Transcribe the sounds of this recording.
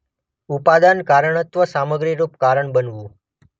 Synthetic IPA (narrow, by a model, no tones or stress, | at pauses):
upad̪ankaɾəɳət̪ʋəsaməɡɾiɾupkaɾəɳbənʋũ